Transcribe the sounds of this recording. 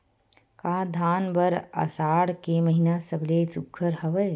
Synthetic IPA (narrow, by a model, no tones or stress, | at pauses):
kaːd̪ʱaːnbɐɾɐ̰saːɽkemɐɦinasɐblesʊkʰːəɾhɐʋəj